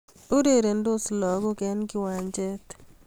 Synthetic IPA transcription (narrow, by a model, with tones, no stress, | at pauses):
o˦ɾe˦˨ɾe˨ndo˦slɔ˨ɡɔ˦ɡɛ˨˦nɡɪ˦wa˨nd͡ʒɛ˦t̪